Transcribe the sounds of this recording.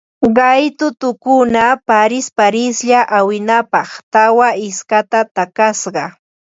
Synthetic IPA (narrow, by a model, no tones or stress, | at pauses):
ɢɑjt̪ʊt̪ʊkʊnapaɾɪspaɾɪsʎaʔawɪnapɑχt̪awaɪskat̪at̪akasɢɑ